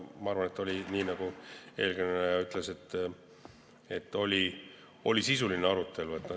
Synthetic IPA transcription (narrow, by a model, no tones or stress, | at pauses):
mɑɑɾvɑnet̪ːˑo̞lʲiniːnɑɡ̥ue̞ːlɡenenejɑyt̪ˑlese̞t̪ː | e̞t̪ˑːo̞lʲi | o̞lʲisisulineɑɾut̪ːˑe̞luet̪ːn